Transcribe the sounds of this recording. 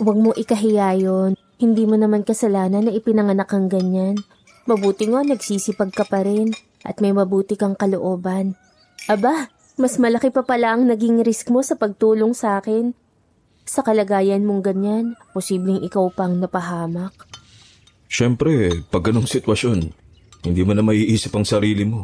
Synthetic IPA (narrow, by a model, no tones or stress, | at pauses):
wɐɡ̚mo̞ʔɪkɐɦɪjaːjo̞n | hɪnd̪iːmonɐmankɐsɐlaːnɐnːɐʔɪpɪnɐŋɐnakɐŋɡɐɲan | mɐbuːt̪ɪŋoŋnɐɡsiːsɪpɐɡ̚kɐpɐɾɛn | ʔɐ̰t̪̚mɐjmɐbuːt̪ɪkɐŋkɐloʔo̞ːbɐn | ʔɐba | mɐsmɐlɐkɪpɐpɐlaʔɐŋnɐɡiŋɾɪskmo̞sɐpɐɡ̚t̪uːlo̞ŋsaːkɛn | sɐkɐlɐɡaːjɐnmo̞ŋɡɐɲanposiːblɛŋʔɪkawpɐŋnɐpɐɦaːmɐk̚ | ʃɛmpɾɛpɐɡɐno̞ŋsɪt̪wɐʃo̞n | hɪnd̪imɐnɐmɐʔiːʔiːsɪpɐŋsɐɾiːlɪmo̞